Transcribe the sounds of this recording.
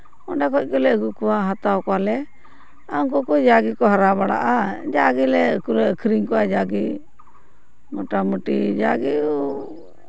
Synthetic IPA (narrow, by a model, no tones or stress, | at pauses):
ɔɖɛkɔc̚ˀkɔlɛəɡukɔwaɦat̪awkɔwalɛ | aŋkɔkɔd͡ʒaɡikɔɦaɾabaɽa̰ʔad͡ʒaɡilɛəkulɛəkʰɾiŋkɔwad͡ʒaɡi | mɔʈamuʈid͡ʒaɡikɔ